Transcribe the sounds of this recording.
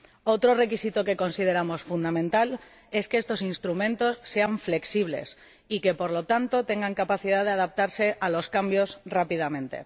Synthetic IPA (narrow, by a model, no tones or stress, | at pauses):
o̞t̪ɾo̞re̞kisit̪oke̞ko̞nsið̞e̞ɾamo̞sfund̪amẽnt̪al | e̞skeest̪o̞sinst̪ɾumẽnt̪o̞sːe̞aɱfle̞ksiβ̞le̞̰s | ike̞po̞ɾlo̞t̪ant̪o̞t̪e̞ŋɡaŋkapaθið̞aðeaðap̚t̪aɾse̞ʔalo̞skambjo̞srapiðamẽ̞nt̪e̞̰